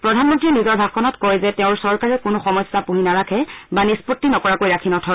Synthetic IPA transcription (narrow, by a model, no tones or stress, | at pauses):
pɹɔdʱanmɔntɹinizɔɹbʱab̚kʰɔnɔtkɔjzɛtɛʊ̃ɹsɔɹkaɹɛkʊnʊxɔmɔjsapuɦinaɹakʰɛbanispotːinɔkɔɹakojɹakʰinɔtʰɔ